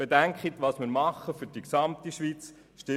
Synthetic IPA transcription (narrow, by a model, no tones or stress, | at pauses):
b̥edæŋkχit̪ʋɑsmɪɾmɑχːəfyɾd̥iksɑmt̪iʃʋiːt͡s | ʃtɪ